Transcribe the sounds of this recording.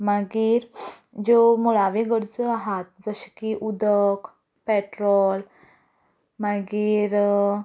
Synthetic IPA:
maɡiːɾd͡zomuɭaʋeɡəɾd͡zəaɦat̪̚d͡zəɕkiʔud̪ək | peʈɾɔl | maɡiːɾ

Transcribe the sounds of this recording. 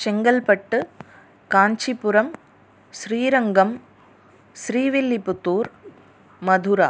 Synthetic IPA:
t͡ʃɛŋɡɐlpɐʈːɯ | kaːnt͡ʃipːʊɾɐm | sɾiːɾɐŋɡɐm | sɾiːʋɪlːipːɯt̪ːuːɾ | mɐd̪ʱuɾaː

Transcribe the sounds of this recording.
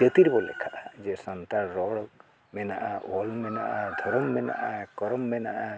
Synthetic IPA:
et̪iɾbɔlɛ̰kʰaʔad͡ʒɛsɔnt̪aɾɾɔɽɔk̚ | mɛnaʔaɔlmɛna̰ʔad̪ʱɔɾɔmːɛna̰ʔakɔɾɔmːɛnaʔa

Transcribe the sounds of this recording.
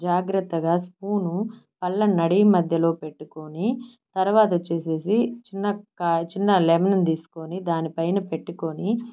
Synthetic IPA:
d͡ʒaːɡɾɐt̪ːɐɡaːspuːnupɐlːɐnɐɽimɐd̪ʱjɐlo̞ːpe̞ʈːuko̞nit̪ɐɾʋaːt̪ɐt͡ʃe̞ːse̞ːsit͡ʃinːɐkːt͡ʃinːɐlɛmɐnɐnd̪iːsu̥konid̪aːnipɐjnɐpe̞ʈːukoni

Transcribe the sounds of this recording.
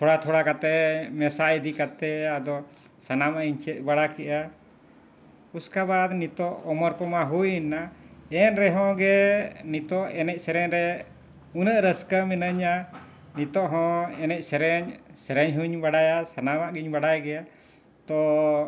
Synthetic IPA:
t̪ʰɔɽat̪ʰɔɽakat̪ɛmɛsaid̪ikat̪ɛad̪ɔ | sanamaʔiɲt͡ʃɛt̪̚ˀbaɽakɛʔa | uskabad̪nit̪ɔʔɔmɔɾkɔmaɦujinːaɛnɾɛɦɔ̃ɡɛnit̪ɔʔɛnɛc̚ˀsɛɾɛɲɾɛ | unəʔɾəskəminəɲa | nit̪ɔʔɦɔ̃ɛnɛc̚ˀsɛɾɛɲsɛɾɛɲɦuɲbaɽajasanamaʔɡiɲbaɽajɡɛja | t̪ɔ

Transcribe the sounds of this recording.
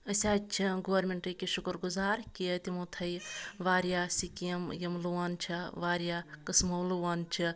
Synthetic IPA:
ɐsʲaːt͡ʃʰiɡoʋɐɾmeɳʈɨkiʃukɾɡuzaːɾkit̪imut̪ʰɐjʋaːɾjaːsikijɐmjɐmluwaːnt͡ʃʰiʋaːɾjaːkɐsmɐwluwaːnt͡ʃʰi

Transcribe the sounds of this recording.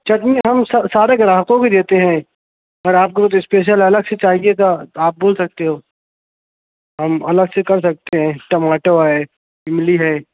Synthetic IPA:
t͡ʃɐʈmĩɦɐmsɐsaːɾekɾaːɦəkõked̪eːt̪eɦɛ̃ | ɔːɾaːp̚kot̪ɪspeːʃ̬əlɐləɡset͡ʃaːɦiet̪oaːp̚boːlsɐk̚t̪eɦoː | ɦɐmɐləɡsekɐɾs̬ɐk̚t̪eɦɛ̃ʈɐmaːʈoɦɛː | ɪmliɦɛː

